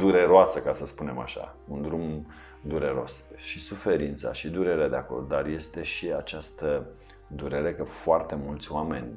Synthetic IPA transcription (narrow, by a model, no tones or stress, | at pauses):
d̪uɾe̞ɾoasəkasəspune̞ma̰ʃa̰ | und̪ɾum | d̪uɾe̞ɾo̞sʃisufe̞ɾint̪sa̰ʃid̪uɾe̞ɾead̪eako̞̰rd̪d̪arje̞st̪e̞ʃiat͡ʃast̪ə | d̪uɾe̞ɾe̞kəfoart̪e̞mult̪sʲoame̞̰nʲ